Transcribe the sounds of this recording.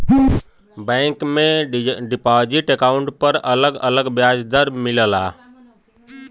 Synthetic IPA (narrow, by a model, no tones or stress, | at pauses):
bɛ̃ːŋkmẽɖɪpad͡ʒiʈekaːʊɳʈpəɾələɡələɡbjaːd͡ʒd̪əɾmɪləla̰ː